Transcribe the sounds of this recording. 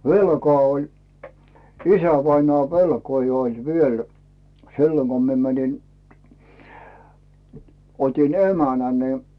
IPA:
ʋelkŏɑˑ olʲ isæʋɑinoɑˑ ʋelkoi olʲ ʋiel silːoŋ ɡ̊o mie mænin otin emænæ nə

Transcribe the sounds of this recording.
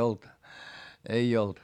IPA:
olt ei olt

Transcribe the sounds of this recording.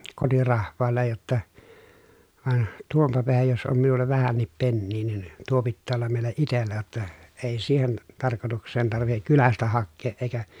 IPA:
kotirɑhʋˑɑːlːej jotːɑ ʋɑĕn tuompɑ peæhæj jos om minulːɑ ʋæhænːip penːiː nin tuo pitːæː olːɑm meˑilæ itelːæ jotːɑ eˑi siːhen tɑrkotuksˑeːn tɑrʋihek kylæstæ hɑkːeːʔ ʔeikæ

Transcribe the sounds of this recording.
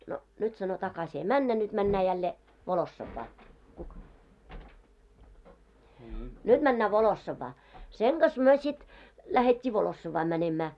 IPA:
no nyt sɑno tɑkɑsi ei mænːæ nyd̥ mænːæː jælːeː ʋolosːɑʋːɑː nyd̥ mænːæː ʋolosːɑʋːɑː seŋ ɡ̊ɑs myø sit læhetʲːiː ʋolosːɑʋːɑː mænemæː

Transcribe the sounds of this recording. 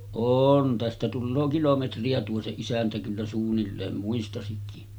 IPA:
oːn tæstæ tulːoː kilometriɑ tuo se isæntæ kylːæ suːnːilːeːn muistɑsikːi

